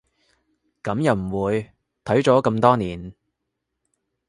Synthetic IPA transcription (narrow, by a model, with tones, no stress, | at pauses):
kɐ˨˥mjɐ˨˩wm̩˨˩wuː˨˧j | t̪ʰɐ˨˥ɥt͡ʃɔː˨˥kɐ˧mt̪ɔː˥niː˨˩n